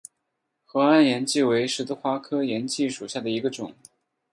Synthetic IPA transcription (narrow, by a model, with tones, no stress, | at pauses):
xɤ˧˥a˥˩njɛ˧˥nt͡ɕi˥˩we˧˥ɪʂɻ̩˧˥t͡sə˥˧xwa˥kʰɤ˥jɛ˧˥nt͡ɕi˥˩ʂu˨˩ɕja˥˩d̪ə˩i˧˥ɡə˧ʈ͡ʂʊ˨˩˦ŋ